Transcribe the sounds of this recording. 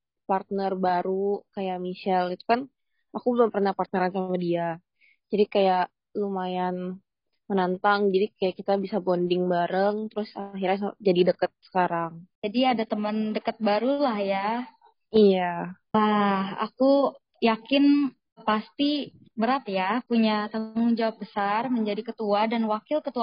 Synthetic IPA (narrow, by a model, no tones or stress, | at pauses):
part̪̚nərbaɾukajaʔmisalit̪u̥kan | akubləpərnapart̪̚nəɾansamadia | d͡ʒadikajaʔ | lumajan | mənant̪aŋd͡ʒadikajaʔkit̪abisabondɪŋbaɾəŋt̪əɾʊsaɦirɲasad͡ʒadidəkət̪̚sə̥kaɾaŋd͡ʒadiadat̪əməndəkat̪̚baɾulahja | ija | laha̰ku | jakɪn | past̪i | bəɾat̪japuɲat̪əŋʊŋd͡ʒawap̚bəsarməɲd͡ʒadikət̪uadanwakɪlkət̪ua